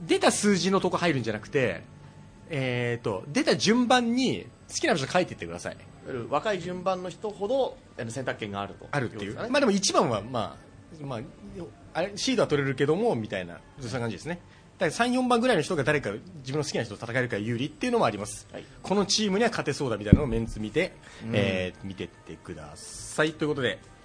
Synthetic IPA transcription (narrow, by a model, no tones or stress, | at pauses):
d̪e̞t̪asɨːʑinot̪o̞khaiɾɯ̟̃ɲ̟d͡ʑanakɯ̟t̪e̞ | eːt̪ːo̞̰d̪e̞t̪aʑɨ̃mbãɲ̟ːi | sɨ̥kʲinabat͡ɕookʰait̪ːeit̪ːek̟d̪a̰sa̰ḭ | iaɾɯβakaiʑɨ̃mbãnːo̞çi̥t̪o̞ho̞d̪o̞ | enosent̪akɯ̟̥kːẽ̞ŋɡaːɾɯ̟t̪o̰aɾɯ̟t̪ːejɯ̟maːd̪emoit͡ɕibãɰ̃βa̰ma̰ː | maː | aɕiːd̪oat̪o̞ɾe̞ɾɯ̟k̬e̞d̪o̞mo̞mʲit̪aina̰ | oːakãɲd͡ʑid̪e̞sɨne | d̪̥asãɰ̃jõ̞mbãŋɡɯ̟ɾainoçi̥t̪oɡad̪aɾe̞kad͡ʑibɯ̃nːosɨkʲinaçtot̪ot̪at̪akae̞ɾɯ̟kajɯ̟ːɾʲit̪ːe̞iɯ̟no̞moaɾʲimasɨ̥kʰo̞no̞t͡ɕiːmɯ̟ɲ̟iβakʰat̪e̞so̞ːd̪amʲit̪ajinomẽ̞nt͡sɨmʲit̪e̞ | eːmʲit̪e̞t̪ːekɯ̟d̪a̰sait̪o̞jɯ̟ko̞t̪o̞d̪e̞̰